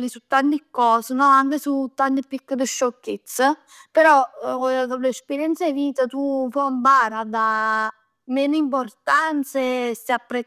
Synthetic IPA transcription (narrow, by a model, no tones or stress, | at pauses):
lisut̪ːant̪ikːɔːsenɔaŋkesut̪ːant̪əpikːəd̪əʃːokːet̪sːa | peɾɔd̪olespeɾjɛnt̪seviːt̪at̪ufɔmpaːɾad̪a | meːnimp̬ort̪ant̪sesapːɾe